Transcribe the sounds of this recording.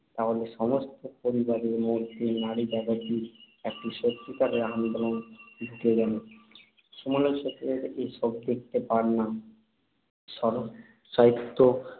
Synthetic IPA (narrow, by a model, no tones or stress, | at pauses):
t̪aɦoleʃɔmost̪opoɾibaɾeɾmoɾd̪ʱenaɽid͡ʑaɡat̪iɾ | ek̚ʈiʃot̪ːikaɾeɾand̪olonit̪ːed͡ʑan | ʃumaleʃʰet̪ɾeɾejʃɔb̚d̪ek̚t̪epaɾna | ʃɔɾ | ʃaɦit̪ːo